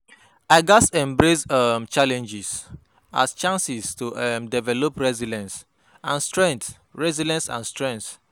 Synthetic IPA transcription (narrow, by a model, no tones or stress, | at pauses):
aɪɡasɛ̃mbɹesamt͡ʃalɛ̃nd͡ʒis | a̰st͡ʃãnsistuʔmdɛvɛlopɹɛzilɛ̃ns | ãnstɹɛ̃nt | ɹɛzilɛ̃nsã̰nstɹɛ̃nt